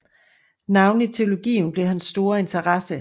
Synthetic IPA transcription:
nɑ̈ʊn̩it͡sʰe̝o̝lo̝ɡ̥ḭːn̩b̥le̝ɦænsd̥o̝ːɐe̝nt͡sʰɐʁɑsə

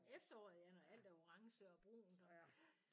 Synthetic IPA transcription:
efd̥ɐɒ̰ːð̩ˠjɑnɒæl̰d̥æɐo̝ʁɑ̈ŋsəɒ̽b̥ʁṵːn̩̥ɒ̥

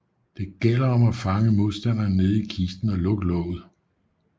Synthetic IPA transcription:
d̥e̝ɡ̥el̰ɐɒ̽mæfɑ̈ŋəmo̝ðˠsd̥æn̰ɐne̝ð̩ˠikʰisd̥n̩ælɔ̽ɡ̥lɔ̰̽ʊð̩ˠ

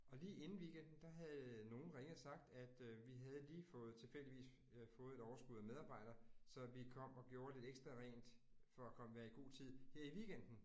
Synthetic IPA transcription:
ɒ̽liːʔe̝nn̩ʋiɡ̥end̥n̩d̥ɑ̈ɦæðˠno̝ːn̩ʁeŋðsɑ̈ɡ̥̚d̥æd̥ʋiɦæð̞ˠliːfɔːð̞̩ˠt͡sʰe̝lfel̰d̥iʋḭːs | fɔ̽ːð̩ˠe̝ɾɒʊɐsɡ̥uðˠæmeð̞ˠɑ̈ːb̥ɑ̈ɪ̰ɾ̥ɐsɒ̽ʋikʰɒ̽m̰ɒ̽ɡ̥jo̝ːɐle̝d̥eɡ̥sd̥ʁɐʁɛ̰ːnd̥ | fɒ̽ækʰɒ̽məʋæːɐiɡ̥o̝̰ːt͡sʰið̰ˠheɐ̰iʋiɡ̥en̰d̥n̩

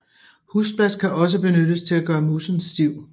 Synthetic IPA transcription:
husb̥læskʰæʔɒ̽s̬əb̥e̝nød̥əst͡sʰe̝læɡ̥ɶːɐmusn̩sːd̥iʊ̰

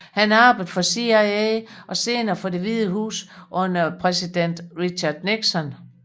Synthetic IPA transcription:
hænæɑ̈ːb̥ð̩ˠfɒ̽siaeʔɒ̽se̝ːnɐfɒ̽de̝ʋiðˠəɦṵːsʔɔ̽nɐpʰʁɛsid̥en̰d̥ʁiɕɑd̥neɡ̥sɒ̽n

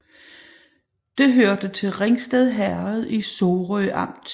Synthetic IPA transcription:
d̥e̝ɦøɐd̥ət͡sʰe̝lʁeŋsd̥eð̞ˠɦæɐð̞ˠisoːʁœʔɑ̈m̰d̥

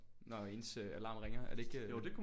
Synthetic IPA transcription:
nɒe̝ːnsøælɑ̈ːnʁeŋɐæɐd̥e̝e̝ɡ̥jod̥e̝kʰum

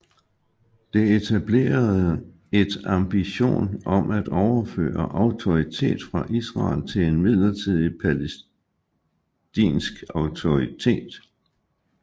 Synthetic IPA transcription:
d̥e̝et͡sʰæb̥le̝̰ːɐð̩ˠ | e̝d̥ɑ̈mb̥iɕo̝̰ːnɒ̽mæd̥ɒʊɐfø̰ːɐʔɑ̈ʊt͡sʰo̝ʁit͡sʰe̝̰ːd̥fʁɑ̈ʔisʁɑ̰̈ːlt͡sʰe̝le̝nmið̰ˠlɐt͡sʰið̞̰ˠipʰæles | d̥ḭːnsɡ̥ɑ̈ʊt͡sʰo̝ʁit͡sʰe̝̰ːd̥

